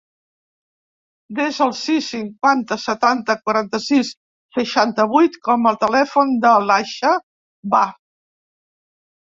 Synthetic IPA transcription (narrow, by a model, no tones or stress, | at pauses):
d̪ezəlˠsisːiŋkwant̪əsət̪ant̪əkwaɾant̪əsisː | əʃant̪əβ̞ujt̪kɔməlˠt̪əlɛfund̪əlaʃə | ba